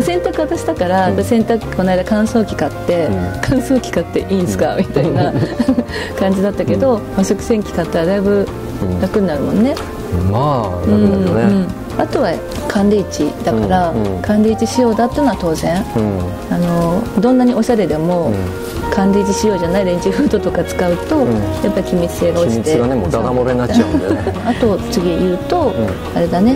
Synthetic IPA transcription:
sẽ̞nt̪akɯ̟βat̪aɕi̥t̪akaɾad̪asẽ̞nt̪akɯ̥ko̞naid̪akãɰ̃so̞ːkʲi̥kat̪ːe̞kʰãɰ̃so̞ːkʲi̥kat̪ːe̞ʔiːnsɨ̥kamʲit̪aina | kãɲ̟d͡ʑid̪at̪ːake̞d̪o̞maɕokɯ̟sẽ̞ŋkʲi̥kat̪ːaɾad̪aibɯ̟ | ɾakɯ̟ɲinaɾɯ̟mõ̞nːe̞ | maɯ̟̃ɯ̃ | at̪o̞βa | kʰãnd̪eit͡ɕid̪̥akaɾakʰãnd̪eit͡ɕiɕijo̞ːd̪at̪ːeiɯnoat̪o̞ːzẽ̞ɴ | ano̞d̪õ̞nːaɲ̟io̞ɕaɾe̞d̪e̞mo̞ | kʰãnd̪eit͡ɕiɕijo̞ːʑanaiɾẽ̞ɲ̟d͡ʑiɸɯ̟ːd̪o̞t̪okat͡sɨ̥kaɯ̟t̪o̞japːaɾʲikʲimʲit͡sɨ̥se̞ːɡaot͡ɕit̪ed̪aamoɾena | at̪o̞t͡sɨɡʲijɯ̟ːt̪o̞ | aɾe̞d̪ane̞

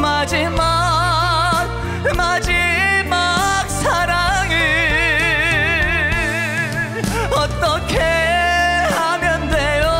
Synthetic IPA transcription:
mad͡ʑima | k̚ | mad͡ʑimak̚sʰaɾaŋi | ʌt͈ʌkʰe | hamjʌndejo

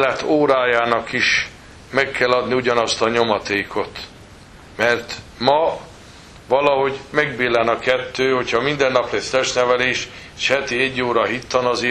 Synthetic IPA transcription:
lɛt̪oːɾaːjaːnɒkiʃ | mɛkːɛlːɒd̪niuɟɒnɒst̪ɒɲo̞mɒt̪eːkʰot̪ | mɛrt̪mɒ | vɒlɒɦo̞ɟmɛɡ̚beːlɛnɒkɛt̪ːøːho̞cʰhɒmind̪ɛnːɒpleːst̪ɛʃnɛvɛleːʃ | ʃhɛt̪iɛɟːoːɾɒɦit̪ːɒnɒzeː

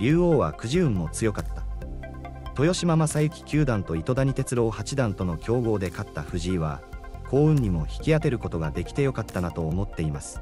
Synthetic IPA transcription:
ɾʲɨːo̞ːβ̞a̰kɯ̟ʑiɯ̟̃mːo̞t͡sɨjo̞kat̪ːḁ | t̪o̞jo̞ɕimamasajɯ̟kʲi̥kʲɨːd̪ãnt̪o̞it̪o̞d̪aɲ̟it̪e̞t͡sɨɾo̞ːhat͡ɕid̪ãnt̪o̞no̞kʲo̞ːɡo̞ːd̪e̞kat̪ːaɸɯ̟ʑiːβa̰kʰo̞ːɯ̟̃ɲ̟ɲːimo̞çi̥kʲiat̪e̞ɾɯ̟ko̞t̪o̞ɡad̪e̞kʲi̥t̪e̞jo̞kat̪ːanat̪o̞ːmo̞t̪ːe̞imasɨ̥

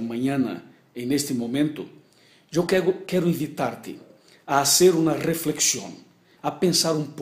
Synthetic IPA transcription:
mãɲãnɐ̰ | ẽjnest̪ɪmomẽnt̪ʊ̰ | ʒewkɛʊkɛɾʊĩmvit̪aɾt̪ɪ̰ | ɐːseɾunɐrefleksjõ̰ŋ | ɐpẽnsaɾũmp

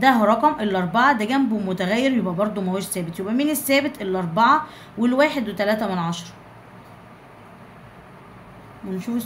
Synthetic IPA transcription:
d̪æɦɾˤɑqɑmʔelːʔɑɾˤbɑʕɑd̪æɡæmbemot̪æɣæjːeɾjebʔæbɑɾˤd̪ˤomæwæːʃsːæːbet̪jebʔæmiːnesːæːbet̪ʔelːʔɑɾˤbɑʕɑ | welwæːħed̪wet̪ælæːt̪æmænʕɑʃɑɾˤɑ | mnʃuː

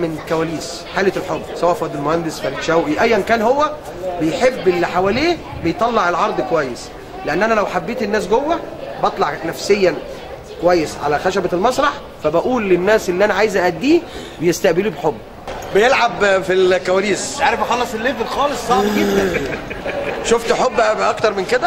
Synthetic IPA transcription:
menkæwæːliːs | ħaːleelħobːsæwæːʔfæd̪elmohænd̪esfælet̪ʃæwʔiʔæjːænkæːnhowːæ | bejħebːelːiħawæːliː | bejt̪ˤɑlːɑʕelʕɑɾˤd̪ˤkowæjːes | leʔænːʔænælæwħabːeːt̪enːæːs̬ɡowːæbɑt̪ˤlɑʕnæfsejːæ | kowæjːesʕa̰læxæʃæbælmɑsˤɾˤɑħ | fæbæʔuːlːenːæːsʔelːiʔænæʕaːjezʔæʔæd̪ːiː | bejest̪æʔbeliːbeħobː | bejelʕabfilkæwæːliːsʕaːɾefxɑlːɑsˤelːeːfelxɑːlesˤsˤɑʕt̪i | ʃoft̪ħobːʔɑkt̪ɑɾˤmenked̪æ

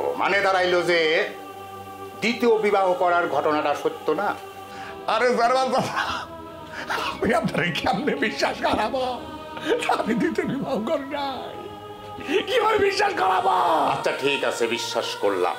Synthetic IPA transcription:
o̰ma̰ned̪aɾajlod͡ʑe | d̪it̪iobibaɦokɔɾaɾɡʱɔʈonaʈaʃot̪ːona | aɾezaɾbaldat̪a | amiap̚naɾekɛmnebiʃːaʃkɔɾaba | amid̪it̪eobibaɦokoɾnaj | kibʱabebiʃːaʃkɔɾabaa̰tːɕʰaʈʰikasʰebiʃːaʃkoɾla̰m

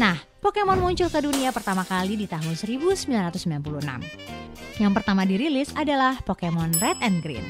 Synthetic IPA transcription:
nah | pokemɔnmuɲt͡ʃʊlkəduniapərt̪amakalidit̪aɦʊnsəɾibusəmbilanrat̪ʊsmbilanpuluəna̰m | jaŋpərt̪amadiɾilɪsadalahpokemɔnrɛt̪ɛnɡɾḭn

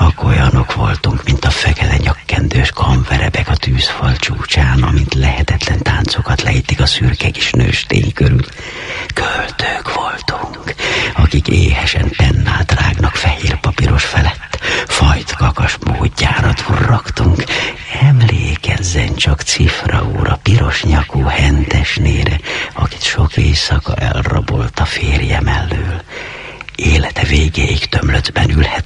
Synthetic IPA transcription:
ɒko̞jɒno̞kʋo̞lt̪uŋkmint̪ɒfɛkɛlɛɲɒkːɛnd̪øːʃkʰɒɱvɛɾɛbɛkɒt̪yːsfɒlt͡ʃuːt͡ʃaːnɒmint̪lɛhɛt̪ɛt̪lɛnt̪aːnt̪sokɒt̪lɛ̰jit̪ːikɒsyrkɛke̥ːʃnøːʃt̪ḛːŋkøɾyl | kølt̪økʋo̞lt̪uŋkɒkikeːhɛʃɛnpɛnːa̰ːlt̪raːɡnɒkfɛheːrpɒpiɾʔo̞ʃfɛlɛt̪ːfɒjt̪kɒkɒʃmoːɟːaːɾɒt̪ʰurːɒkt̪uŋkɛmleːkɛzːɛnt͡ʃɒkt̪sifrɛoːɾʔɒpiɾo̞ʃɲɒkoːhɛnd̪ɛʃneːɾʔɛɒki̥t̪ʃo̞keːsɒkɒʔɛlrobo̞lt̪ɒfeːrjɛmɛlːyːl | eːlɛt̪ɛveːɡeːikt̪ø̞mlød̪bɛnylhɛt̪

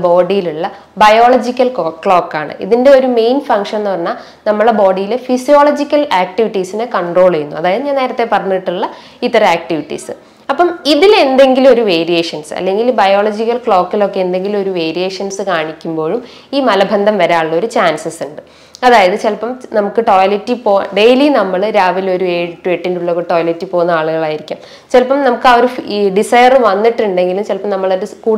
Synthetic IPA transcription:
bo̞ːɖijiluɭːɐ | bɐjo̞ːɭɐd͡ʑikʲːɐlkːkːɭo̞ːkːaːɳɨ̰ʔḭðinde̞oɾume̞jnfɐŋkʂɐnnɨʋɐnːɐ | nɐmːɐɭebo̞ːɖijilefisijo̞ːɭɐd͡ʑikʲːɐlaːk̚ʈiʋiʈːisinekɐɳɖro̞ːɭɐjunːuɐðaːjɐðɨɲaːneːɾɐt̪ːe̞pːɐrɐɲːiʈːuɭːɐ | it̪ːɐrɐaːk̚ʈiʋiʈːḭsɨ | ɐpːɐmiðile̞nd̪e̞ŋɡilo̞ɾuʋe̞ːɾijeːʂɐnsɨɐ̰lːe̞ŋɡilbɐjo̞ːɭɐd͡ʑikʲːɐlkɭo̞ːkːilo̞kːeend̪e̞ŋɡilo̞ɾuʋe̞ːɾijeːʂɐnsɨkaːɳikʲːumbo̞ːɻum | iːmɐlɐbʱɐnd̪ʱɐmʋɐɾaːɭːɐo̞ɾut͡ɕaːnsɐsuɳɖɨ | ɐðaːjɐðɨt͡ɕelpɐmnɐmukːɨʈo̞ːjɐlitːipoːɖejlinɐmːɐɭɾaːʋilo̞ɾueːɽiʈːuʋeʈːinduɭːɐkːʈo̞ːjɐlitːipo̞ːɣunːɐaːɭuɣɐɭaːjiɾikʲːṵːm | t͡ɕelpɐmnɐmukːɐoɾuɖisɐjɐrʋɐnːiʈːuɳɖe̞ŋɡilumt͡ɕelpːɐmnɐmːɐɭoɾɨkuː

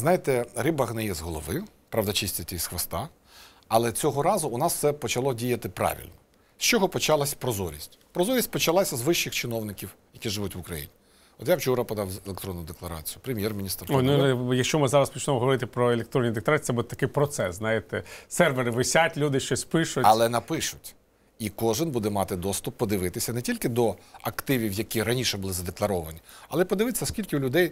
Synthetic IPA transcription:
znɑjɪt̪ɛɾɪbɐxnɛjɛzɦɔlˠɔʋɪjʊ | pɾɑʋd̪ɐt͡ʃisʲt̪ʲɐtʲɛisxʋɐst̪ɑ | ɐlˠɛt͡sʲɔɦɔɾɑzʊʊnɑssɛpɔt͡ʃɐlˠɔdʲijɐt̪ɪpɾɑ̰ʋʲḭlʲnɔ | sʲt͡ʃɔɦɔpɔt͡ʃɑlˠɐsʲpɾɔzɔɾʲḭsʲtʲpɾɔzɔɾʲisʲtʲpɔt͡ʃɐlˠɑsʲɐzʋɪʃːɪxt͡ʃɪnɔwnɪkʲiw | jɐkʲiʒɪʋutʲʋʊkɾɐjḭnʲi | ɔt̪jawt͡ʃuɾɐpɔd̪ɑwelʲˠekt̪ɾɔnːʊd̪eklˠɐɾɑ̰t͡sʲijʊpɾemʲjɛrmʲnʲist̪rɔjnʊjɐkʃt͡ʃɔmɪzɑɾɐspit͡ʃnɛmɔɦɔʋɔɾɪt̪ɪpɾɔelʲˠek̚t̪ɾɔnʲːid̪eklˠɐɾɑi̥sɛbud̪ɛt̪ɐkɪjpɾɔt̪sɛsznɑjɪt̪ɛsɛrʋeɾɪʋɪsʲatʲlʲud̪ɪʃt͡ʃɔsʲpɪʃʊɐlˠɛnɐpɪʃʊtʲ | ikɔʒɪnbud̪ɛmɑt̪ɪd̪ɔst̪ʊpːɔd̪ɪʋɪt̪ɪsʲɐnɛtʲilʲkɪd̪ɔɐkt̪ɪʋʲiwjɐkʲiɾɐnʲiʃɛbʊlˠɪzɐd̪eklˠɐɾɔʋɐnʲiɐlˠɛpɔd̪ɪʋɪt̪sʲɐskʲilʲkɪʊlʲʊd̪ɛj

